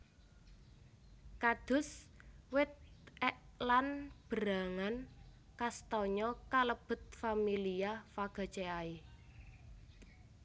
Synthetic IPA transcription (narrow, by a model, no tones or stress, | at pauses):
kad̪̥ʊ̤swɪt̪̚ɛʔlanb̥ɾa̤ŋankast̪ɔɲɔkaləb̥ə̤t̪̚familiafaɡ̥a̤t͡ʃeai